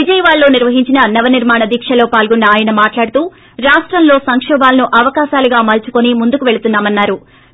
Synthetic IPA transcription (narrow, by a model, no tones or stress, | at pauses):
ʋid͡ʒɐjɐʋaːɭːo̞ːniɾʋɐɦiɲt͡ʃinɐnɐʋɐniɾmaːɳɐd̪ikʂɐlo̞ːpaːlɡonːɐːjɐnɐmaːʈlaːɽut̪uː | ɾaːʂʈɾɐmlo̞ːsɐŋkʂɛːbaːlɐnuʔɐʋɐkaːʃaːluɡaːmɐlt͡ʃu̥konimund̪ukuʋe̞ɭut̪unːaːmɐnːaːɾu